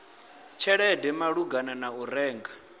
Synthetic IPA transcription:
t͡ʃʰɛɺɛdɛmaɺuɡananaɔɾɛːŋɡa

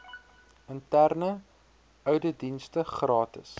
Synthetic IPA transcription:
əntærnə | œɥdədinstəχrɑːtə̰s

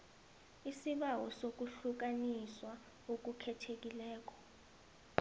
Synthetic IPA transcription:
isiɓawɔsok̬uɬuk̬aniswa | ok̬ukʰɛtʰek̬ʼilɛːk̬ɔ̥

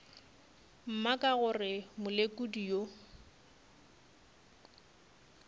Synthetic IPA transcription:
m̩makʼaɣʊrɪmʊlekʼudijo

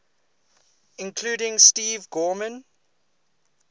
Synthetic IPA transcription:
ɪ̃nkʰluːɾɪ̃ŋstiːvɡɔːmə̃n

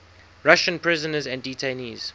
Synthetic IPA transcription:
ɹaʃə̃npʰɹɪzənəzæ̃nditʰeniːz̥

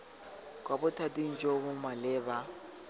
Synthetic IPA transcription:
k̬ʼwabʊtʰatʼiŋ̩t͡ʃʼoɣʊmalɪːβa

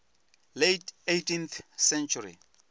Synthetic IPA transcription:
letejtinθsɛnt͡ʃʰuɾḭ

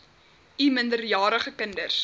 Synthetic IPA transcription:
ʔiməndərjɑːɾəχəkəndərs

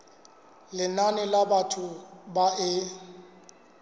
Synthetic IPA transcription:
lɪnanɪlabatʰʊbaʔɪ

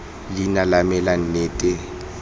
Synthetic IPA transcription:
linalamɛlan̩neːtʼe

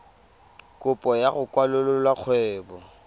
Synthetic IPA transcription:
kʼʊpʼɔjaɣʊkʼwalʊlʊlwaq͡χʰwɛːbɔ

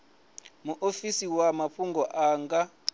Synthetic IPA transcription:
muʔofisiwamaɸʰuŋɡʱɔʔaːŋɡa

